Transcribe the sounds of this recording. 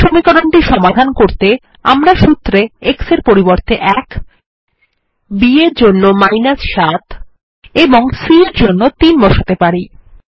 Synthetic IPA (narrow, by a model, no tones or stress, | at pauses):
ʃomikɔɾoɳʈiʃɔmad̪ʱankoɾt̪e | amɾaʃut̪ːɾeekseɾpoɾiboɾt̪eʔɛk | bieɾd͡ʑonːomajnasʃat̪ | eboŋsieɾd͡ʑonːot̪inbɔʃat̪epaɾi